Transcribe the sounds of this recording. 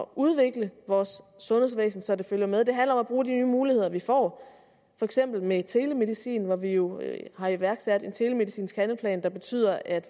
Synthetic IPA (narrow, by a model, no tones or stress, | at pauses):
ɒʔuð̞ˠʋe̝ɡ̥ləʋɒːsːɔ̽nhe̝sʋḛːsn̩sɒ̽d̥e̝føljɐmeðˠd̥e̝ɦænlɐɒ̽mæb̥ʁuːd̥inyːmuːlihe̝ð̞̰ˠɐʋifɒ̰ː | fɒ̽eɡ̥sem̰b̥l̩met͡sʰe̝ːləme̝ðˠisḭːnʋɒʋijo̝hɑ̈iʋæɐɡ̥sæd̥e̝nt͡sʰe̝ːləme̝ðˠisḭːnsɡ̥hænlpʰlɛ̰ːnd̥ɑ̈b̥e̝t͡sʰy̰ːð̞̰ˠɐʔæd̥